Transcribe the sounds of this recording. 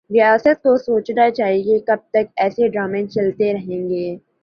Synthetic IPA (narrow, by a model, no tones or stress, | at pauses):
ɾɪjaːsət̪̚kosoːt͡ʃnat͡ʃaːɦiekɐb̚t̪ɐkɛːseɖɾaːmẽt͡ʃɐlt̪eɾɐɦẽːŋɡeː